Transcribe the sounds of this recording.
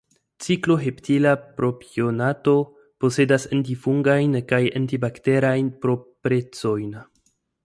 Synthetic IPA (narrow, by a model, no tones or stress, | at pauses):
t͡siklo̞ɦe̞ptʰilapɾo̞pionato̞ | po̞se̞dasantifuŋɡajnkajantibakte̞ɾajnpɾo̞pɾe̞t͡so̞jn